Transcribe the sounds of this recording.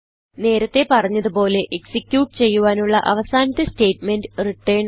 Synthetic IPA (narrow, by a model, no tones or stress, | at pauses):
ne̞ːɾɐt̪ːe̞pɐrɐɲːɐðupo̞ːle̞ʔeksikʲjuːʈːɨt͡ɕe̞jːuʋaːnuɭːɐʔɐʋɐsaːnɐt̪ːɐste̞ːʈme̞ndɨriʈːejɳ